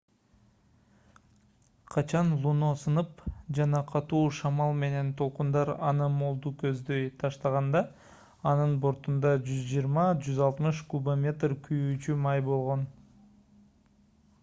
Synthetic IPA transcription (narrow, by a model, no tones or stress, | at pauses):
qʰɑt͡ʃɑnlˠuno̞sɯnɯpd͡ʒɑnɑqʰɑt̪uːʃɑmɑlˠme̞ne̞nt̪ʰo̞lˠqund̪ɑɾɑnɯmo̞lˠd̪ukø̞zd̪ø̞jt̪ʰɑʃt̪ɑʁɑnd̪ɑː | nɯnbo̞ɾt̪und̪ɑd͡ʒyzd͡ʒijɾmɑd͡ʒyzɑlˠt̪mɯʃkubamʲe̞t̪rkʰyjyːt͡ʃymɑjbo̞lˠʁo̞n